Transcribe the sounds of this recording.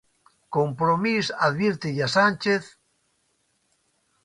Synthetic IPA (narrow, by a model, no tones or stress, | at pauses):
kompɾomisaðβiɾt̪eʎasanʲt͡ʃeθ